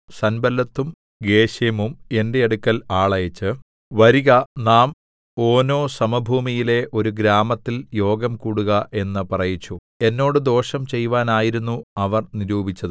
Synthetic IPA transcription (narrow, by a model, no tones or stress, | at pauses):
sɐnbɐlːɐt̪ːum | ɡe̞ːɕjɐmume̞nde̞ːɽukːɐlaːɭɐjɐt͡ɕːɨ | ʋɐɾiɣɐnaːm | o̞ːno̞ːsɐmɐbʱuːmijile̞ʔo̞ɾuɡɾaːmɐt̪ːiljo̞ːɡɐmkuːɽuɣɐʔe̞nːɨpɐrɐjit͡ɕːu | e̞nːo̞ːɽɨd̪o̞ːʂɐmt͡ɕe̞jːʋaːnaːjiɾunːuɐʋɐrniɾuːbʱit͡ɕːɐðɨ